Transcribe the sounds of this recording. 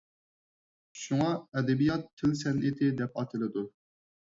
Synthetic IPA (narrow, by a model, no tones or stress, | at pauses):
ʃuŋɑɛd̪ɛbijɑt̪ʰːɪlsɛnʔɪt̪ʰɪd̪ɛpɑt̪ʰɨlˠɨd̪u